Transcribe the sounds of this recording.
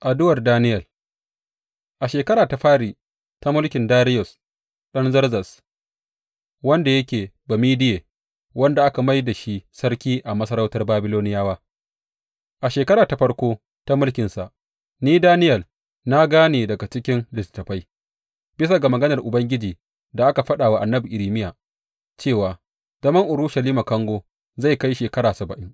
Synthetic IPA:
ʔa˨dʊ˦wɐ˨rdaː˦nɪ˦jɐ˨l | ʔa˨ʃeː˨kɐ˦ɾaː˨ta˨ɸaː˦ɽiː˨ | ta˦mʊ˦lkʲɪ˨ndaː˦ɾɪ˦jɔ˨s | ɗɐ˦nzɐ˦rzɐ˨s | wɐ˦nda˨jɐ˦kʲeː˨bɐ˨miː˦dɪ˦jeː˨ | wɐ˦nda˨ʔa˦ka˨ma˦jda˨ʃi˦ʔsɐ˦ɾkʲiː˦ʔa˨mɐ˦sɐ˦ɾa˦wtɐ˦rbaː˦bɪ˦loː˦nɪ˦jaː˦waː˦ | ʔa˨ʃeː˨kɐ˦ɾaː˨ta˨ɸɐ˦rkʷoː˦ | ta˦mʊ˦lkʲɪ˨nsa˨ʔ | niː˦daː˦nɪ˦jɐ˨l | na˦ɡaː˦neː˨dɐ˨ɡa˨t͡ʃɪ˦kʲɪ˦nlɪ˨stːɐ˨ɸa˦j | b̥ɪ˦sa˨ɡa˨mɐ˨ɡɐ˦nɐ˨rʔʊ˨bɐ˦ŋɡʲɪ˦d͡ʒiː˨ | da˨ʔa˦ka˨ɸɐ˦ɗaː˨wa˦˨ʔa˨nːɐ˦bi˨ʔɪ˨ɾiː˨mɪ˦jaː˨ | t͡ʃeː˦˨waː˨ | z̥ɐ˦mɐ˦ŋʔʊ˨ɾʊ˦ʃɐ˨liː˦ma˨kɐ˦ŋɡʷoː˦ | za˦˨jka˦jʃeː˨kɐ˦ɾaː˨sɐ˨bɐ˨ʔɪ˦ŋ

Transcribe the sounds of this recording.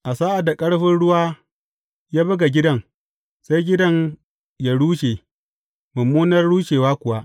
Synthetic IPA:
ʔa˨saː˦ʔa˨da˨kʼɐ˦ɽɸɪ˦nɽʊ˦waː˦ | jaː˦bɐ˦ɡa˨ɡʲɪ˦dɐ˦ŋ | sa˦jɡʲɪ˦dɐ˦ŋ | jaː˦ɽuː˦ʃeː˨ | mʊ˨mːuː˦nɐ˦rɽuː˦ʃeː˨waː˦kʷʊ˨wa˦ʔ

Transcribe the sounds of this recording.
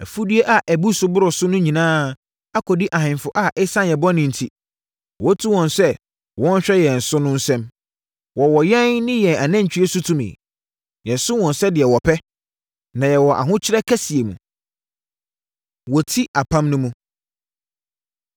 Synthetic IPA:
æ˨fu˦dɥe˦ʔa˨ʔæ˨bu˦sʊ˨bʊ˦ɾʊ˨sʊ˦nʊ̃˦ɲĩ˨nãː˦ | a˦kʰɔ˨di˦ʔa˨hɪ̃˨nfʊ˨ʔa˨ʔɛ˦sã˦njɛ˨bɔ˦nɪ̃˨n̩˨tʰi˦ | wɔ˦tʰu˦wɔ̃˨nsɛ˦ | wɔ̃˦n˦ɕᶣɛ˦jɛ˨n̩˨sʊ˦nʊ̃˦n̩˦sɛ̃˦m | wɔ˨wɔ˨jɛ˦nnɪ̃˦jɛ̃˨a˨nã˦ɲ̩˨t͡ɕᶣi˦e˦sʊ˦tʰũ˦mɪ̰̃˨ | jɛ˨n˨sʊ̃˦wɔ̃˨nsɛ˦dɪ˨ɛ˨wɔ˨pʰɛ˦ | nã˨jɛ˨wɔ˨ʔa̰˨ɦʊ̃˦t͡ɕʰɪ˦ɾɛ˦kʰæ˦si˨e˨mṵ̃˨ | wɔ˨tʰi˦ʔa˨pʰã˦mnʊ̃˦mũ˦

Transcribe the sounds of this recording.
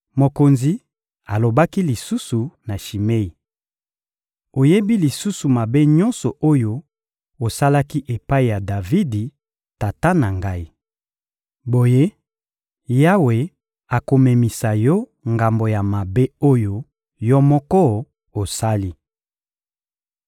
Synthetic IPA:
mo˨ko˨nzi˨ | a˨lo˨ba˦ki˦li˨su˦su˨na˨ʃi˨me˦i˨ | o˨je˦bi˦li˨su˦su˨ma˨be˦ɲɔ˦nsɔ˨ʔo˦jo˦ | o˨sa˦la˦ki˦ʔe˨pa˦i˨ja˨da˨vi˦di˨ | ta˨ta˦na˨ŋɡa˦i˦ | bo˨je˦ | ja˦we˨ | a˨ko˨me˨mi˨sa˨jɔ˦ŋɡa˨mbo˨ja˨ma˨be˦o˦jo˦ | jɔ˦mɔ˦kɔ˦ | o˨sa˦li˦

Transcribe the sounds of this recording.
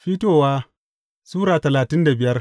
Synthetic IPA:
ɸiː˦toː˦˨waː˦ | suː˦ɽaː˨tɐ˨laː˨tɪ˦nda˨bɪ˨jɐ˦r

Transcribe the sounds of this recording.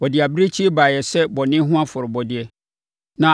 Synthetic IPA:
ɔ˨dɪ˨a˨bɪ˦ɾe˦t͡ɕʰi˦baː˨jɛ˨sɛ˦bɔ˨nɪ̃˦ɦʊ̃˦a˦fʊ˨ɾɪ˨bɔ˨dɪ˨ɛ˨ | nã˨

